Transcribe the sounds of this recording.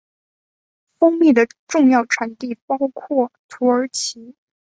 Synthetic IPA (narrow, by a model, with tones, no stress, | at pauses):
fɤ˥ŋmi˥˩d̪ə˩ʈ͡ʂʊ˥˧ŋjɑ˥˩ʊʈ͡ʂʰwa˧˥nt̪i˥˩pɑ˥ʊkʰwɔ˥˩t̪ʰu˧˥ə˞˧˥t͡ɕʰi˧˥